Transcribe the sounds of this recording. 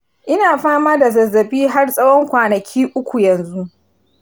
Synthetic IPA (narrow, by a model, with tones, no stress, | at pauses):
ʔɪ˦naː˨ɸaː˦maː˦da˨zɐ˨zːɐ˨biː˦ɦa˦rsʼɐ˦wɔ˦ŋkʷaː˨nɐ˨kʲʰiː˦ʔʊ˦kʷu˨jɐ˨nzu˦ʔ